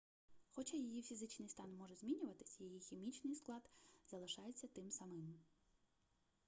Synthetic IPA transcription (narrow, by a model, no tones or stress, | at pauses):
xɔt͡ʃɑjɐjifʲizɪt͡ʃnɪjst̪ɑnmɔʒɛzʲmʲinʲʊʋɐt̪ɪ̥sʲɐjijixʲimʲit͡ʃnɪjsklˠɑd̪zɐlˠɪʃɑjet͡sʲːɐt̪ɪmsɐmɪm